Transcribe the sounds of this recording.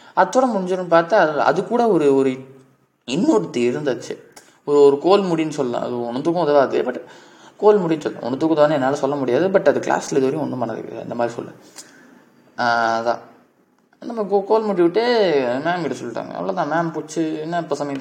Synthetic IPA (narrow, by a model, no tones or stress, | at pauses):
ɐt̪ːɔːɽɐ̃mʊɽɪɲd͡ʒɯɾɯnɯpaːɾt̪aɐɐ̰ðɯkːuːɽɐɔɾɯɔɾɯ | ɪnːoɾɯt̪ːiɪɾɯnd̪ɐt͡ʃːɯ | ɔɾɯɔɾɯkoːlmʊɽinɯsɔlːlã̰ɐ̰ðɯɔnːɯt̪uːkːʊ̃ðɐʋaːðɯ̰bɐʈː | koːlmʊɽinɯsɔlːɐ̰̃ɔ̰nːɯt̪uːkːɐðaːnːɛnːaːlɐsɔlːɐmʊɽɪjaːðɯbɐʈːɐðɯkla̰ːsleðɐɾij̃ɔnːɯ̃mpɐnɐðɯ̰kːɪ̰nd̪ɐmaːd̪ɾisɔ̰lːɛ̰̃ | ɐðã̰ː | ɪnd̪ɐmaːkokoːlmʊɽiʋɪʈːɯmaːnɡɪʈːɐsɔlːɪʈːa̰ːŋɡɐ̰ɛ̰ʋɐɭoːt̪ãːmaːnpuːt͡ʃːɯnːãɪpːoːsɐmɐj̪